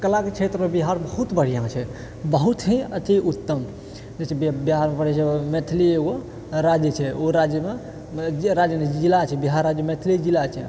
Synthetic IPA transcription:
kəlaket͡ʃʰet̪ɾəmebiɦaɾbəɦut̪bəɽ̤ijãt͡ʃʰɛ | bəɦut̪ɦĩət̪iut̪ːəm | d͡ʒet͡ʃʰɛbbiɦaɾmepəɽɛt͡ʃʰɛmet̪ʰilieɡo | ɾad͡ʒjət͡ʃʰɛoɾad͡ʒjəme | d͡ʒɾad͡ʒjəneilat͡ʃʰɛbiɦaɾːad͡ʒjəmet̪ʰilid͡ʒilat͡ʃʰɛ̰

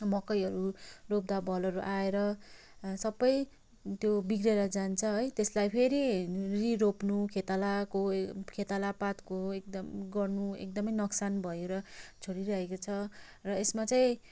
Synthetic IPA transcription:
mʌkʌjʌɾurop̚d̪abʱʌlʌɾuʔaeɾʌ | sʌbʌj | t̪jobiɡreɾʌd͡zant͡sʰʌɦʌjt̪eslajpʰeɾiriɾopnukʰet̪alakokʰet̪alapat̪koek̚d̪ʌmɡʌrnuḛk̚d̪ʌmʌjnʌksanbʱʌjoɾʌt͡sʰoɽiɾʌɦekot͡sʰʌ | rʌesmat͡sajĩ

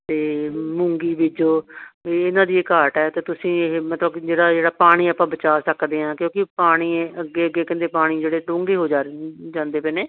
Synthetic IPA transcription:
t̪eːmʊ̃ŋɡiːbɪd͡ʒoːiːɪnãːd̪iːekaːʈɛːt̪eːt̪ʊsĩːmət̪ləbd͡ʒeːɽaːd͡ʒeːɽaːpaːɽ̃iːaːpãːbət͡ʃaːsəkd̪eːɦãːkjõːkɪpaːɽ̃iːəɡːeːəɡeːkɪ̃nd̪eːpaːɽ̃iːd͡ʒeːɽeːʈõːŋɡeːɦoːd͡ʒaːd͡ʒãːnd̪eːpɛːneː

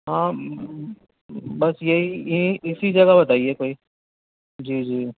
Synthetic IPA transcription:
ɦãː | bɐsjeɦĩɪsid͡ʒɐɡabɐt̪aːiekoːiː | d͡ʒiːd͡ʒiː

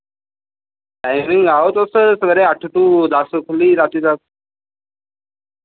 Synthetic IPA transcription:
ʈajmiŋɡaɦot̪əsəsəɡɾeaʈʰʈuːd͡zasəkʰliːɾat̪iːd͡z̪as

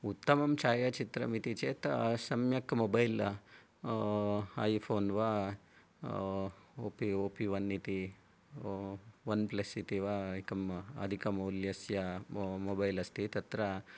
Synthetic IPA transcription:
ut̪ːɐmɐmt͡ʃaːjɐt͡ʃit̪ɾɐ̰mit̪it͡ʃeːt̪sɐmjɐkːmobɐjl | ɐ̰jpʰoːnʋa | oːpioːpiʋɐnːit̪i | ʋɐnplesit̪iʋaikɐmɐ̰d̪ʱikɐmɐwljɐsjɐmobɐjlɐst̪it̪ɐt̪ɾɐ

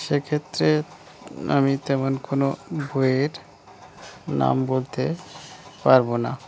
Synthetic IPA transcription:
ʃekʰet̪ːɾe | a̰mit̪ɛmonkonobʱoeɾ | na̰mbolt̪e | paɾbona

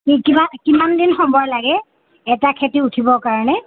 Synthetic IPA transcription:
ikibakimandinxɔmbɔɹlaɡɛ | ɛtakʰetiutʰibɔkaɹɔnɛ

